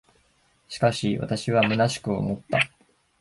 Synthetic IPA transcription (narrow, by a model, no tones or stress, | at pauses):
ɕi̥kaɕiβa̰t̪aɕiβamɯ̟naɕi̥kɯ̟o̰mo̞t̪ːa